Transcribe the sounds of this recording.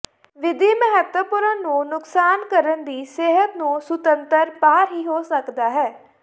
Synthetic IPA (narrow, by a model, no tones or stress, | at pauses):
ʋɪd̪iːməɦət̪wəpʊɾãnũːnʊksaːnkəɾənd̪iːseːɦət̪nũːsʊt̪ənt̪əɾpaːɾɦiːɦoːsəkd̪aːɦɛː